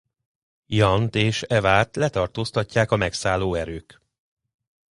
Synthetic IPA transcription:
jɒnt̪eːʃɛvaːt̪lɛt̪ɒrt̪oːst̪ɒcːaːkɒmɛksaːlːoːɛɾøːk

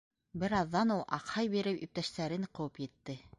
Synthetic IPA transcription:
bɘ̆ɾɑðːɑnulˠʔɑ̰qhɑjbiɾɘpjɵ̰̆p̚t̪æʃt̪æɾɘɴqɤ̆wɤpjɘ̆t̪ːɘ

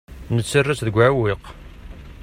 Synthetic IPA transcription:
nət͡sːərːæsðəɡʷʕwiq

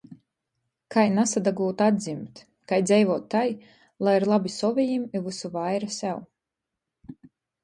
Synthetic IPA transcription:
kajnasad̪aɡuːt̪ad̪zimt̪ | kajd̪zʲɛjvɔɔt̪ːaj | lˠajiɾlˠabisɔvʲijimivɨsuvajɾasʲɛw

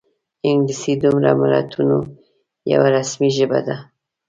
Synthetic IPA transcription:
ɪŋɡlisid̪ʊmɾamaɾɑt̪ʰuno | ja̰waɾasmiʒəbad̪a

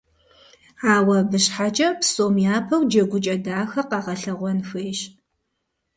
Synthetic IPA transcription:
aːwɐbɨɕħat͡ʃʼɐpsʼoːmjaːpʰɐwd͡ʒɐɡʷʊt͡ʃʼɐdaːxɐqɑʁɐɬɐʁʷɔnxʷeːɕ

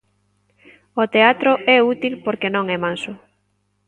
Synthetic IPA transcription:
ot̪eat̪ɾoʔɛut̪ilpoɾkenõŋɛmãnsʊ

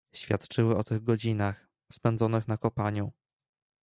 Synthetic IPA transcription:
ɕfʲjat̪t͡ʂɘwɘɔt̪ɘɣɡɔd͡ʑinax | spɛnd̪zɔnɘxnakɔpaɲu

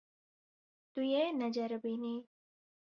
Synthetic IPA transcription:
t̪ujenɐd͡ʒɐɾbini

